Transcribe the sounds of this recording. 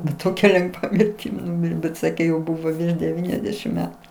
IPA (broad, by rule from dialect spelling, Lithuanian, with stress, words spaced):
bʲɛt ˈtoːkʲɛ lʲɛŋˈɡʋɐ mʲɪrʲˈtʲɪm ˈnʊmʲɪrʲeː bʲɛt ˈsɑːkʲeː jɛʊ ˈbuːʋoː ʋʲɪrʃ dʲɛˈʋʲiːnʲɛzʲdʲɛʃʲɪm ˈmʲæːtʊ